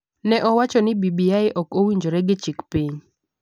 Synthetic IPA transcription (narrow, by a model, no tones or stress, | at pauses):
nɛʔɔwat͡ʃɔnɪbibiaɪʔɔkowiɲd͡ʒoɾɛɡɪt͡ʃɪkpiɲ